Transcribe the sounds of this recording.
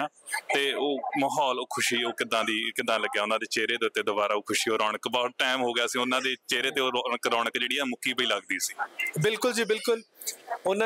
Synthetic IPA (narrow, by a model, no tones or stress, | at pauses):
aː | t̪eːoːməɦɔːloːkʰʊʃiːoːkɪd̪ãːd̪iːkɪd̪ãːləɡjaːʊnãːd̪eːt͡ʃeːɾeːd̪eːʊt̪ːeːd̪obaːɾaːoːkʰʊʃiːoːɾɔːɳəkbɔːʈɛːmɦoːɡɪjaːsĩːʊnãːd̪eːt͡ʃeːɾeːt̪eːoːɾəkɾɔːɳəkd͡ʒeːɽiːɛːmʊkiːpəiːləɡd̪iːsiːbɪlkʊld͡ʒiːbɪlkʊlʊnã